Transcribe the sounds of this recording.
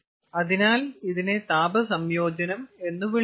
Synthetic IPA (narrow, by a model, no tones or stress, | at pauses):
ɐðinaːliðinet̪aːbɐsɐmjo̞ːd͡ʑɐnɐme̞nːuʋiɭ